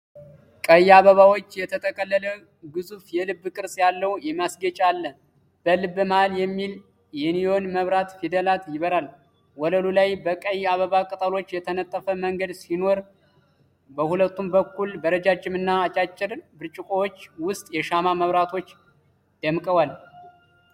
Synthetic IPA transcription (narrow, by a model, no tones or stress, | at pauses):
kʼəjaβəβawo̞t͡ʃːjɛt̪ʰət̪ʰʼəkʼəlːələ | ɡɨzufjɛlɨbːkʼɨɾsʼjalːəwjɛmasɡət͡ʃʼalːə | b̥əlɨbːɨmaaljɛmːil | jɛnijo̞nməβɾat̪fid̪əlat̪jɪβəɾal | wɔləlulajbəkʼəjːaβəβakʼət̪ʼəlo̞t͡ʃːjɛt̪ʰənət̪ʼːəfəməŋɡəd̪sino̞ɾ | bəhulət̪ːumbəkːulbəɾəd͡ʒad͡ʒɪmɨnːaːt͡ʃʼat͡ʃʼːɪɾbɨɾt͡ʃʼɪkʼowot͡ʃːwʊst̪ʼjɛʃamaməβɾat̪ʰo̞t͡ʃː | d̪̥əmkʼəwal